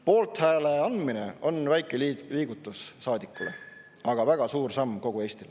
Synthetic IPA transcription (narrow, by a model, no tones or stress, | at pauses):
po̞ːlt̪hæːleɑnd̪mine̞̰o̞nvæjkˑelliːɡ̥ut̪ːˑusːɑːd̪ikːˑulḛ | ɑɡ̥ɑvæɡ̥ɑsuːrsɑmːko̞ɡ̥ue̞ːsʲt̪il